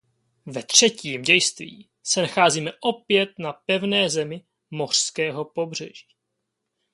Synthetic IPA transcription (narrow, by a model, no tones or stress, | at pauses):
vɛt̪r̝̥ɛciːmɟɛjst̪vḭː | sɛnaxaːziːmɛʔo̞pjɛt̪̚napɛvnɛːzɛmɪ | mo̞r̝̥skɛːɦo̞po̞br̝ɛ̰ʒi̥ː